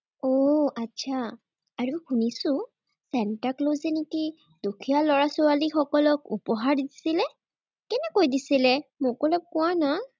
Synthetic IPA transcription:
oatːsʰa | aɹuxunisʊ̃ | sɛntaklojzeneki | dukʰijalɔɹasʊwalixɔkɔlɔkṵpɔɦaɹidisilɛ | kɛnɛkojdisilɛmʊkɔlɔk̚kʊwana

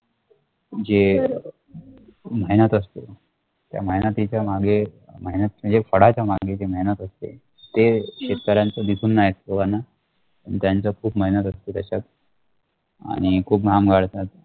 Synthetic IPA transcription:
d͡ʑe | məɦinət̪əst̪e | t̪ja̰məɦjnət̪it͡ɕjamaɡʱe | məɦinət̪̚t͡ɕəd͡ʑefəɽ̤at͡ɕjamaɡʱed͡ʑeməɦjnət̪əst̪ḛ | t̪ekɕet̪̚kəɾãnt͡səd̪isʰuːnːajesoɡanːa | ə̰ɳt̪jant͡səkʰuːpməɦjnət̪əst̪et̪əɕat̪̚ | a̰ɽ̃ikʰuːpɡamɡʱaɽt̪at̪̚

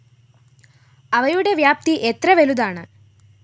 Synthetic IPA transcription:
ɐʋɐjuɽeʋjaːp̚t̪iʔet̪ɾɐʋelud̪aːɳɐ

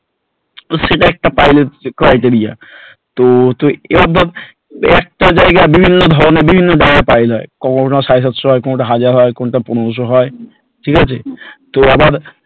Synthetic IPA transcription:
oʃeʈaɛk̚ʈapajleʈ̚kɾajʈeɾija̰ | t̪ot̪oḛɔd̪ʱːat̪ | ɛk̚ʈad͡ʑaeɡabibʱinːod̪ʱɔɾonebibʱinːod͡ʑaeɡapajlɦɔekɔkoasʃajs̬at̪ʃoɦɔekɔnoʈaɦad͡ʑaɾɦɔekɔnʈaponooʃ̬oɦɔe | ʈʰikat͡ɕʰet̪oabaɾ

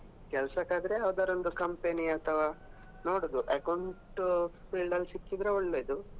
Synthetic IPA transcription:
kɛlsɐkaːd̪ɐɾe̞ɐʋd̪aːɾo̞nd̪ukɐmpeniɐt̪ʰɐʋaː | noːɽoːd̪uʔɐkɐwɳʈpilɖɐlːsikːid̪ɾeoɭːeːd̪u

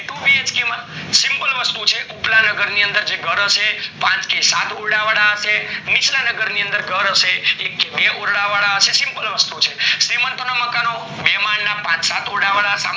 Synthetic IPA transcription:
ʈuʋied͡ʒkemasimpəlʋəst̪ut͡ʃʰeʔuplanəɡəɾniənd̪əɾd͡ʒeɡʱəɾəʃepãt͡ʃkesat̪ʰoɽɽaʋaɭaɦəsenit͡ʃlanəɡəɾniə̃nd̪əɾɡʱəɾəʃeekːebeʔoɾɽaʋaɭaɦəsesimpəlʋəst̪ut͡ʃʰesemənt̪ənaməkano | mɛmaɳnapãt͡ʃsat̪oɾɽaʋaɭasa̰

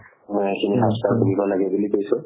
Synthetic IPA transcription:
kiniɦastaɹkunibɔlaɡɛbulipojsʊ̃

